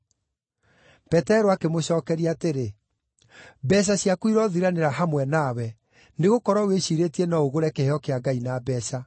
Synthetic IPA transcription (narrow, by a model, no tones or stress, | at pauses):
pɛtɛɾoakemoɕɔːkɛɾiaːteɾe | bɛɕ̬aɕjakwiɾɔðiɾaneɾaɦamwɛnawɛ | neɣokɔɾwaweɕiɾetiɛnaoɣoɾɛkehɔkeaɡainabɛsa